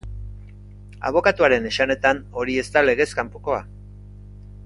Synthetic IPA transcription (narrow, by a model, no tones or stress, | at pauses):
a̰β̞o̞kat̪uaɾe̞ne̞sane̞t̪ano̞ɾie̞st̪ale̞ɣe̞skampoko̞a̰